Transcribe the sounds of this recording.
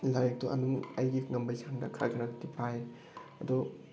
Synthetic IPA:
lajk̚tuʔɐ̰nuŋɐjɡiŋɐmbajsʰaŋdakʰɾa̰ɡinadipʰaj | ɐd̪ɔ

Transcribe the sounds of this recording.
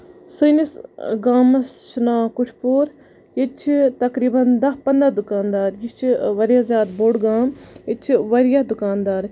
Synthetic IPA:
sɐnisɡaːmɐsʃunaːkʊʈʰpuːɾ | jit͡ʃʰit̪ɐkɾiːbɐnd̪ɐɦpɐnd̪ɾad̪ukaːnd̪aːɾjit͡ʃʰʋɐɾjazjaːd̪boːɽɡaːmit͡ʃʰʋɐɾjɐd̪ʊkaːnd̪aːɾ

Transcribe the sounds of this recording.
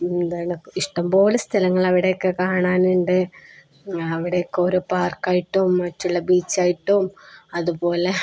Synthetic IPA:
end̪aːɳiʂʈɐmpo̞ːlust̪ʰɐlɐŋːɐɭɐʋiɽe̞jokːekaːɳaːnuɳɖɨ | ɐʋiɽejokːeo̞ɾupaːrkːaːjiʈːɐʋumːɐtːuɭːɐbiːt͡ɕːaːjiʈːoːumɐðupo̞ːle

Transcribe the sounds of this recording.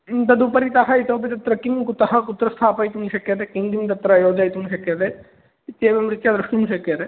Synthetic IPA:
t̪ɐd̪upɐɾit̪ɐɦɐit̪oːbit̪ɐt̪ɾɐkimkut̪ɐɦɐkut̪ɾɐst̪ʰaːpɐjt̪unʃɐkjɐt̪ekind̪imt̪̬ɐt̪ɾɐjoːd͡ʒajt̪unʃɐkjɐt̪e | it̪jɐːbɐmɾit̪jɐd̪ɾɐʂʈumʃɐkjɐt̪e

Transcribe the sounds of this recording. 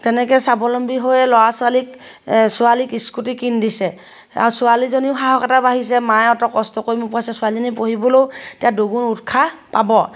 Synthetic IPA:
tɛnɛkɛsabɔlɔmbiɦojɛlɔasʊalik | sʊalikiskutikindisɛ | a̰ɹusʊalizoniʊɦaɦɔkɛtabaɦis̬ɛmajɔtɔkɔstɔkoɹimʊpuasɛsʊalizɔnip̬oɦibɔlowtijadoɡunutkʰapabɔ

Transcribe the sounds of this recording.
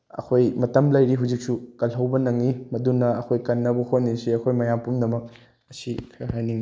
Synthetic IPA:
ɐ̰kʰojmɐtɐmlɐjɾiɦawd͡ʒik̚sukɐlɦɐwbɐnɐŋːimɐdunːɐɐkʰojkɐnːɐbɐhot̚nisiɐkʰojmɐjampumdɐmɐk̚ | ɐsihajniŋi

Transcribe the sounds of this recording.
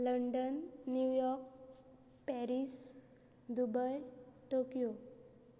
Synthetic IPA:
ləɳɖənːjujɔɾk | pɛɾis | d̪ubəjʈokijo

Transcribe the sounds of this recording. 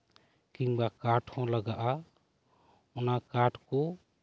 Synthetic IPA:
kiŋbakaʈʰɔ̃laɡaʔa | ʊnakaʈʰko

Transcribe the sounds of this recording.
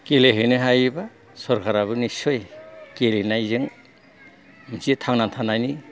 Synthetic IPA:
keleɦɯjnɯɦajba | sɔɾkʰaɾaβɯnisojkelenajzɯŋ | misitʰaŋnantʰanajni

